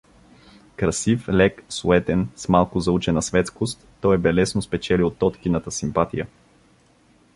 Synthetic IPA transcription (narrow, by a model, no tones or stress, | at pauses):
kɾɐsiflɛksʊɛt̪ɛnsmalˠkʊzɐut͡ʃɛnɐsvɛt̪skost̪ːɔjɛbɛlɛsnospɛt͡ʃɛliot̪ːɔt̪kinət̪əsimpat̪ijə